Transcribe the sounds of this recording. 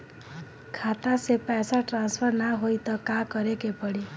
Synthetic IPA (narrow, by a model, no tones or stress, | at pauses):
kʰat̪asepɛsaʈɾanspʰəɾnaɦojt̪ɔkakəɾekepəɽi